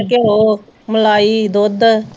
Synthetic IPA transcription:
keɦoː | məlaːiːd̪oːd̪

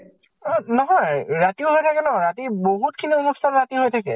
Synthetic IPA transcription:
nɔɦɔjɹatiʊɦojtʰakɛnɔɔɹatiboɦut̚kʰiniɔmustanɹatiɦojtʰakɛ̰

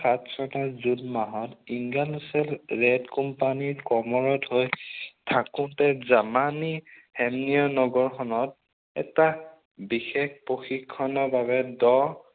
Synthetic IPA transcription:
xatʰsɔnazudmaɦɔtiŋɡalusɛlɹɛdkɔmpanikɔmɔɹɔthojtʰakʊ̃tɛzamanihɛmnijɔnɔɡɔɹxʰɔnɔt̚ | ɛ̰ta | bixekpɹoxikʰːɔnɔbaβɛdɔ

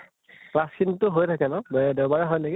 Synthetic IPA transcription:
plaskʰintʊɦojtʰakɛnɔbɛdɛʊbaɹɛɦɔjneɡi

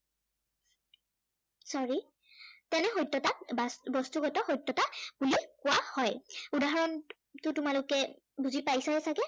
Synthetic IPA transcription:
sɔɹi | tɛnɛxojtːɔtasbɔstuɡɔtɔxojtːɔtabulikʊwahɔjudaɦɔɹɔm | tʊtʊmalʊkɛ | buzipajsaɛsaɡɛ

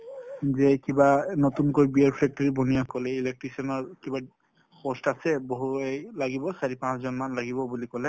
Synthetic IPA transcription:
zɛkibanotunkojbiaɹpʰɹɛk̚tɔɹibɔnijakɔlɛilɛk̚ʈɹisɔnɔɹkiba | xɔstasɛboɦuejlaɡibɔsaɹipãszɔnmanlaɡibɔbulikɔlɛ

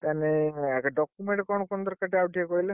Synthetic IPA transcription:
t̪aneɛkaɖɔkumeɳʈkɔnɔkɔnd̪ɔɾkaʈeawʈiekɔile

